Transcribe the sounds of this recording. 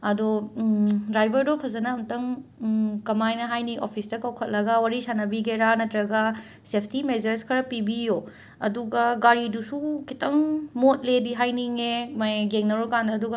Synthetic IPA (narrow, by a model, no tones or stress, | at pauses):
ɐdo | dɾajbɐɾdopʰɐzɐnɐuntɐŋ | kɐmajnɐɦajniʔopʰistɐkawkʰɐt̚lɐɡɐwɐɾisanɐbiɡeɾanɐtɾɐɡɐ | sepʰtimezɐɾskʰɐɾɐpibijo | ɐduɡɐɡaɾidusukʰitʰɐŋmot̚lediɦajniŋemajɡeŋnɐɾokandɐːduɡɐ